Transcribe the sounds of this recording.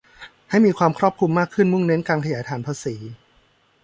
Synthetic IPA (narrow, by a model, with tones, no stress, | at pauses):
ha˥˩jmiː˧kʰwaː˧mkʰɾɔː˥˩p̚kʰu˧mːaː˥˩kʰːɯ˥˩nmu˥˩ŋne˦˥nkaː˧nkʰa˧jaː˩˦jt̪ʰaː˨˩˦npʰaː˧siː˩˦